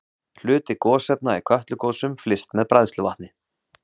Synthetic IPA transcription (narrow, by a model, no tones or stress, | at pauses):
l̥ʏːt̪ɪkɔːsɛp̚naikʰœht̪lʏkoːwsʏmflɪst̪mɛðpɾajðst̪lʏvaht̪nɪ